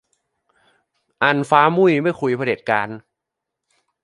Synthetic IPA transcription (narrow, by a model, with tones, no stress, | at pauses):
ʔa˧nfaː˦˥mu˥˩jma˥˩jkʰu˧jpʰa˧de˨˩t̪̚kaː˧n